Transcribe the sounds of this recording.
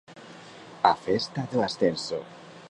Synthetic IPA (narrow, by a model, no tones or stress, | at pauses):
a̰fest̪aðuasθenso̰